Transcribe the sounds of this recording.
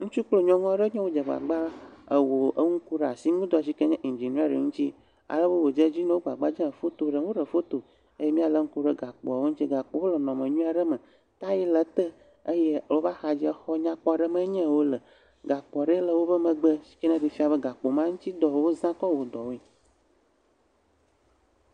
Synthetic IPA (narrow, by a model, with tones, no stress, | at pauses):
ŋũ˦t͡ʃu˦k͡plo˦ɲɔ̃˦ŋɔ̃˦ɖə˦ɲɛ̃˦wo˦d͡ʒə˨ɡ͡ba̰˨ɡ͡ba˦ə˨wo˨ə˦ŋ̩˦ku˦ɖe˨a˨si˦ŋũ˦d̪ɔ˨s̬i˦kə˦ɲɛ̃˦ʔi˨nd͡ʒi˨n˦a˦ɖe˨ŋũ˦t͡ɕi˦ | a̰˨lə˦bə˦wo˨d͡ʒə˦d͡ʑi˦nə̃˦wo˦ɡ͡ba˨ɡ͡ba˦d͡ʒɛ̃˦ə˨fo˦t̪o˦ɖə˨˦wo˦ɖə˨fo˦t̪o˨ | ə˦je˦mĩ˦a˨lə˦ŋ̩˦ku˦ɖə˦ɡa˨k͡pɔ˨a˨wo˦ŋu˦t͡ɕi˦ɡa˨k͡po˨wo˦lə˨nɔ̃˨mə̃˨ɲũ˦a˨ɖə˦mə̃˨ | t̪a˦ji˦lə˨t̪ə˦ | ə˦je˦wo˦va˦xa˨d͡ʑi˦ɛ˦xɔ˦ɲã˦k͡pɔ˦a˨ɖə˦mə̃˦ɲɛ̃˦˨wo˦lə˨ | ɡa˨k͡pɔ˨a˨ɖə˦lə˨wo˦bə˦mə̃˨ɡ͡bə˦si̥˦kə˦ɲɛ̃˦ɖi˨fi˦a˨bə˦ɡa˨k͡po˨mã˦ŋu˦t̪i˦d̪ɔ˨wo˦zã˦kɔ˦wo˨d̪ɔ˨wo˦e˨